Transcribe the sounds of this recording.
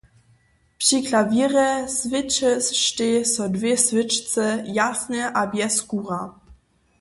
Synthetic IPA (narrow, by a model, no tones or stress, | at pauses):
pʂiklavʲiːrɛsvɪt͡ʃɛsʃtɪsowdvjɛsvɪt͡ʃt͡sɛjasnɛʔabjɛskuːʁa